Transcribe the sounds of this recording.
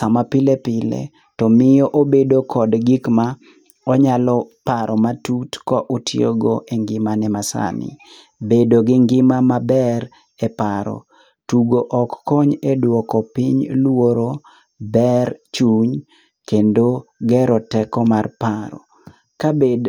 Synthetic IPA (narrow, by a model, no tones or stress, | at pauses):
samapɪlepɪlḛ | tɔmɪjɔʔobedokʰɔdɡikma | ɔɲalɔpaɾʔɔmatutkɔʔotʰjoɡoʔeŋɡɪmanɛmasa̰nɪ̰ | bedoɡɪŋɡɪmamabɛɾ | ɛpaɾɔ̰ | tuɡoʔɔkːɔɲedwɔkɔpiɲlwoɾo | bɛrt͡ʃuɲ | kendoɡɛɾɔtɛkɔmarpaɾɔ̰ | kabed